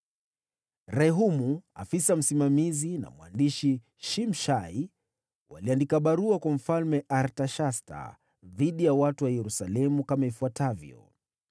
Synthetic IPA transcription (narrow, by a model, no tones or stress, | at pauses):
ɾɛɦumua̰fisam̩simamizina̰mwa̰ndiʃi | ʃimʃai | wa̰liandikaɓaɾuakwam̩falmɛʔaɾtaʃasta̰ | ðiɗijawatuwajɛɾusalɛmukamaifuatavjɔ̰